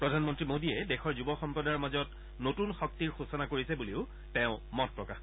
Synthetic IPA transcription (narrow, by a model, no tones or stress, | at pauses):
pɹɔdʱanmɔntɹimodiɛdɛxɔɹzubɔxɔmpɹɔdaɹmazɔt̚ | notunxɔk̚tiɹxusɔnakoɹisɛbuliʊ | tɛʊ̃mɔtpɹɔka